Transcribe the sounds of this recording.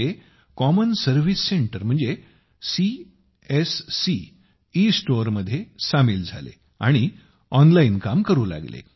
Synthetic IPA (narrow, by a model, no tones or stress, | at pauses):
e | kɔmənsəɾʋisːeɳʈəɾm̤əɳd͡ze | si | esːi | isʈoɾməd̪ʱːjesamiːld͡zʱa̰lḛ | a̰ɽ̃i | ɔnlainkamkəɾuːla̰ɡlḛ